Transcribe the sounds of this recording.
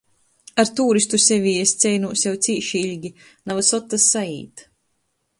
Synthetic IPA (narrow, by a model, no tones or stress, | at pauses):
aɾt̪uːɾist̪usevʲiːest̪sʲɛjnuːsjɛwt̪siːʃiilʲɡʲi | navasɔt̪ːasːaḭːt̪